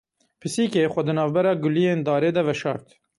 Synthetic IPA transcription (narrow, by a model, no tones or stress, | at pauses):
pʰɨsiːkexʷɛd̪ɨnɑːvbɛɾɑːɡʊlijeːnd̪ɑːɾeːd̪ɛvɛʃɑ̰ːɾt̪